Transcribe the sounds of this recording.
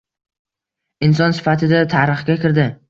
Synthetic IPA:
ɪns̬ɒnsɪ̥fat̪ʰɪd̪at̪ʰaɾɨχɡʲakʲɪɾd̪ɪ

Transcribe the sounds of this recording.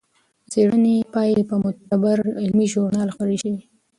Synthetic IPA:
seɽənepɑjepəmʊt̪̚abaɾɪlmiʒʊɾnɑlxaɾiʃi

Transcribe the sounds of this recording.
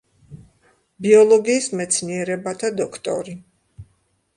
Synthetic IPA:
biɔlˠɔɡiːsmɛt̪sʰniɛɾɛbat̪ʰad̪ɔkʰt̪ʼɔ̰ɾi

